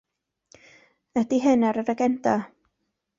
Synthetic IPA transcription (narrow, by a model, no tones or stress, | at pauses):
ədiɦɛnaɾəɾəɡɛnta